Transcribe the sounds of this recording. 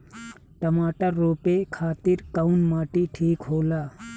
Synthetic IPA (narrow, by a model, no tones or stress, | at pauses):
ʈəmaːʈəːoːpekʰaːt̪iɾkaunmaːʈiʈʰiːkɦoːlaː